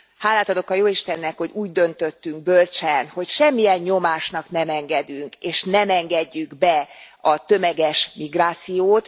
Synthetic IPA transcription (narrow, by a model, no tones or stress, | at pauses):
haːlːaːt̪ɒd̪o̞kɒjoːiʃt̪ɛnːɛkho̞ɟuːɟd̪ø̞nt̪ø̞t̪ːyŋɡ̚bølt͡ʃɛnho̞cʃɛmːijɛɲːo̞maːʃnɒknɛmɛŋɡɛd̪yŋkeːʃnɛmɛŋɡɛɟːyɡbɛ | ɒt̪ømɛɡɛʃmiɡraːt̪sijoːt̪